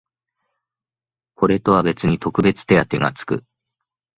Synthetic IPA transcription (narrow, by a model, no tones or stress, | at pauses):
kʰo̞ɾe̞t̪o̞βabe̞t͡sɨɲ̟it̪o̞kɯ̟be̞t͡sɨ̥t̪e̞at̪e̞ɡa̰t͡sɨ̥kɯ̟̰